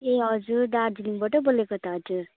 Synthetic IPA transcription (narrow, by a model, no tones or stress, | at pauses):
eɦʌd͡zuɾɖaɾd͡ziniŋbaʈʌbolekot̪ʰaɦd͡ʒuɾ